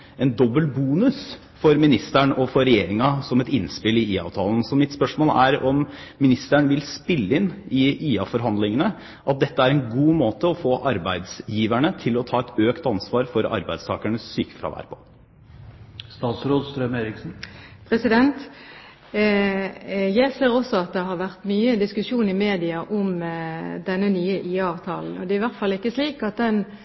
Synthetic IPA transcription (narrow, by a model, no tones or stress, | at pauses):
ɛnd̪ɔbːəlbuːnʉs | fɔɾmɪnɪst̪æɳʔɔfɔɾɛjeːɾɪŋɑsɔmɛt̪ɪnspɪlɪiːɑ̰ːʋt̪ʰɑːln̩sɔmɪt̪spœʂmoːlæ̰ɾɔmː | ɪnɪst̪æɳʋɪlspɪlːəɪnɪiːɑfɔɾɦɑnd̪lɪŋənə | ʔɑt̪̚d̪ɛt̪ːəæɾɛnɡuːmoːt̪əɔfoːʔɑɾbæɪd̪sjiːʋæɳət̪ʰɪlɔt̪ʰɑːɛt̪øːkt̪ɑnsʋɑːɾfɔɾɑ̰ɾbæɪd̪st̪ʰɑːkæɳəsːyːkə̥fɾɑ̰ːʋæ̰ːɾpʰɔ̥ | st̪ɑːt̪sɾoːd̪st̪ɾœmeːɾɪksn̩pʰɾɛsɪd̪ɛnt̪ | jæɪseːɾɔsɔɑt̪̚d̪ɛɦɑɾʋæʁt̪myːəd̪ɪskʉʃuːnɪmeːd̪ɪɑʔɔmd̪ɛnːənyːəʔiːɑɑːʋt̪ʰɑ̰ːln̩ɔd̪ɛɪʋæʁt̪fɑlːɪkːəsliːkɑt̪̚d̪ɛn